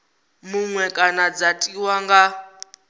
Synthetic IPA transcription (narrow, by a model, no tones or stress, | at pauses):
muŋwɛkʼanad͡zatʼiwaŋɡa